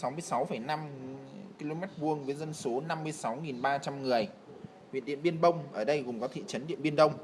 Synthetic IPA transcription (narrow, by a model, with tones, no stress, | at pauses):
sa˨˦wmɨ˧əjsa˨˦wfə˧˩jna˧mki˧lo˧mɛ˦˥t̚ɓu˧əŋvəː˨˦jzə˧nso˨˦na˧mːɨ˧əjsa˨˦wŋi˨˩nɓaː˧t͡ɕa˧mŋɨ˨˩əj | wḭ˧˨nɗḭ˧˨ənɓi˧ənɓə˧wŋ͡mʔəː˧˩ɗə˧jɣʊ˨˩ŋ͡mkɔ˨˦t̪ʰḭ˧˨t͡ɕə˨˦nɗḭ˧˨əmɓi˧ənɗə˧wŋ͡m